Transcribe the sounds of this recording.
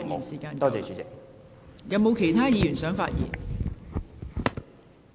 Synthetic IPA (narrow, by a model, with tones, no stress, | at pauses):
ji˨˩nsiː˨˩kaː˧nt̪ɔː˥t͡sɛː˨t͡ʃy˨˥t͡sɪ˨k̚ | jɐ˨˧wmo˨˧wkʰe˨˩jt̪ʰaː˥jiː˨˧jyː˨˩nsœː˨˥ŋfa̰ː˧t̚jḭː˨˩n